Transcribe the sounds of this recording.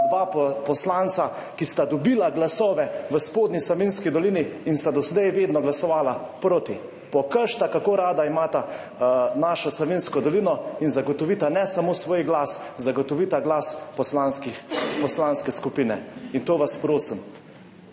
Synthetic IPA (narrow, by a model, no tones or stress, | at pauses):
d̪ʋaːpɔslant̪sa | kist̪ad̪ɔbilaɡlasɔːʋɛʋəspoːd̪nislɔʋinskid̪ɔliniːnst̪ad̪ɔsɛd̪ajʋeːd̪nɔɡlasɔʋaːlapɾoːt̪i | pɔkəɾʃt̪akakoɾaːd̪aimaːt̪a | naʃɔslɔʋinskɔd̪ɔlinɔinzaɡɔt̪ɔʋiːt̪anɛsamoːsʋoːjɡlaszaɡɔt̪ɔʋiːt̪aɡlaspɔslanskixpɔslaːnskɛskupinɛ̰int̪oːʋaspɾoːsim